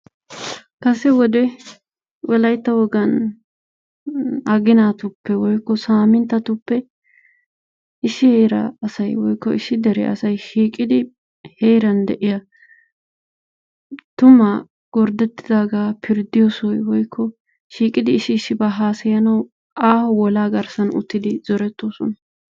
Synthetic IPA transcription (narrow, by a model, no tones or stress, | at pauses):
kɐsɛwɔd̪ɛ | wɛlɐjt̪ːɐwɔɡɐn | ɐɡɪnat̪ʊpːɛwɔjkːɔsaːmɪnt̪ːɐt̪ʊpːɛ | ɪsɪheːɾɐ̰ːsɐjwɔjkːɔɪsːɪd̪ɛɾɛ̰ʔɐsɐjʃiːkʼɪd̪ɪ | heːjɾɐnd̪ɛʔɪjɐ | t̪ʊmɐ | ɡ̥ɔɾd̪ɛt̪ːɪ̥d̪aːɡaːpʰɪɾd̪ɪjɔsɔjwɔjkʰːɔ | ʃiːkʼɪd̪ɪːsːɪːsːɪbɐɦaːsɐjɐnɐw | ʔaːwɔlaːɡɐɾsɐnʊ̰t̪ːɪd̪ɪzɔɾɛt̪ːoːsɔnɐ